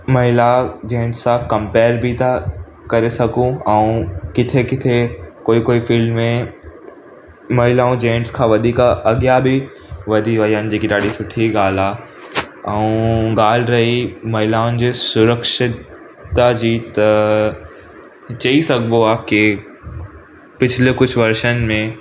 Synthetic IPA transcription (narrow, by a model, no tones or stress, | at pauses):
mɐɦɪlad͡ʑẽːɳɖsːãkɐ̃mpeːɾbʱɪt̪ʰa | kɐɾesɐɡʱũɛ̃ũkɪt̪ʰekɪt̪ʰekoːikoːifɪlmːẽ | mɐɦɪlaːũd͡ʑẽːɳɖskʰãːʋɐd̪ʱiːkɐɠjabɪ | ʋɐd̪ʱiʋɐɦiɦəːnɪ̆d͡ʑeːkiɗaːɽisʊʈʰiɠaːlaː | ɛ̃ũɡaːl̤ɾɐɦimɐɦɪlaːʊnɪ̆d͡ʑeːsʊɾəkʃɪt̪ | ad͡ʑiːt̪ɐ | t͡ɕɐisɐɡʱboaːkɪ | pɪt͡ɕʰlekʊd͡ʑʱʋɐɾʃənmẽ